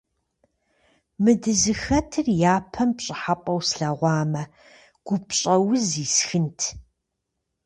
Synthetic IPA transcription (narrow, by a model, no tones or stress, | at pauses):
mɨdɨzɨxɐtʰɨrjaːpʰɐmpɕʼɪħapʷʼɐwsɬɐʁʷɑːmɐ | ɡ̥ʷʊpɕʼɐwʊziːsxɨntʰ